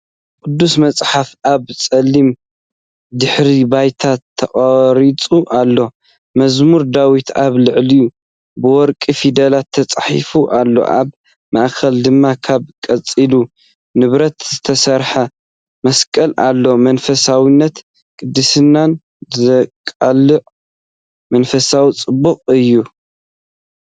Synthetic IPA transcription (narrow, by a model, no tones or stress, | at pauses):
kʼʊd̪ːusmɐt͡sʼħafʔaβt͡sʼɐlːim | d̪ɨħɾibajt̪ʰat̪ʰːɐχʼɐɾit͡sʼuʔalːo̞ | mɐzmuɾd̪awit̪ʰaβlɨʕliju | bɨwɔɾkʼifid̪ɐlat̪ʰːɐt͡sʼħifuʔalːo̞̰ʔa̰β | maʔkʰɐld̪ɨmːakʰaβkʼɐt͡sʼilu | nɨβɾɐt̪z̥ɨt̪ʰɐsɐɾħa | mɐskʼɐlʔalːo̞mɐnfɐsawinːɐt̪ | kʼɨd̪ːɨsɨnːan | zkʼalɨʕ | mɐnfɐsawit͡sʼɨbːɨqʼɨjːu